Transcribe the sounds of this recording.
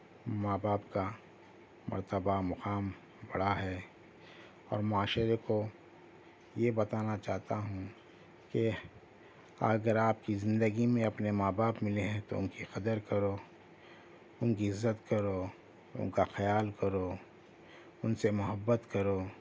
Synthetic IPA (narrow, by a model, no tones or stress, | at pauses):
maːbaːpka | mɐ̰ɾt̪əbamʊqaːm | bɐɽaɦɛː | ɔ̰ːɾmʊaːʃəɾeko | jebɐt̪aːnat͡ʃaːɦt̪aɦũ | ke | ɐɡəɾaːp̚kizɪ̃nd̪əɡimẽɐpnemaːbaːpmɪleɦɛ̃t̪oʊ̰nkixɐd̪əɾkɐɾo | ʊnkiɪzːət̪kɐɾo | ʊ̰nkaxɐjaːlkɐɾo | ʊnsemʊɦəbːət̪kɐɾoː